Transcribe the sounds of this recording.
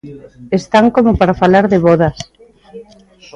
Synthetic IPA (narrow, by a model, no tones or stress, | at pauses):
est̪aŋkomopaɾafalaɾðeβɔðas